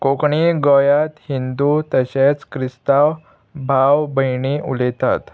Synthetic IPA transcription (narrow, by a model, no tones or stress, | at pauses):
kokɳiɡɔjat̪hind̪ut̪əɕet͡skɾist̪aw | bʱawbəjɳiʔulɛt̪a̰t̪